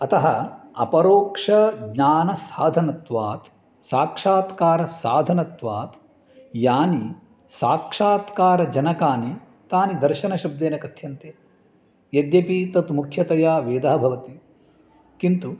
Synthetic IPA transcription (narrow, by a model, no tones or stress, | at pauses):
ɐt̪ɐɦɐɐ̰pɐɾoːkʂɐɡɲaːnɐsaːd̪ʱɐnɐt̪ʋaːt̪ | saːkʂaːt̪kaːɾɐsaːd̪ʱɐnɐt̪ʋaːt̪ | jaːni | saːkʂaːt̪kaːɾɐd͡ʒɐnɐkaːni | t̪aːnid̪ɐɾʃɐnɐʃɐb̚d̪eːnɐkɐt̪ʰjɐnt̪e | jɐd̪jɐpit̪ɐt̪mukʰjɐt̪ɐjaːʋeːd̪ɐɦɐbʱɐʋɐt̪i | kint̪u